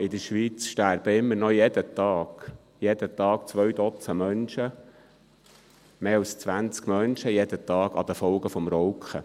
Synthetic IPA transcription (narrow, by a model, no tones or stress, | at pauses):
ɪd̥̪əʃʋit͡sʃtæɾb̥əɪmːəɾnɔjɛd̪ət̪ɑːɡ̥ | jɛd̪ət̪ɑːk̚t͡sʋœɥd̪ɔt͡səmœnʃə | meːɑlst͡sʋænt͡skmœnʃəjɛd̪ət̪ɑːɡɑ̰d̪əfɔlɡəfɔmɾɔwkχə̰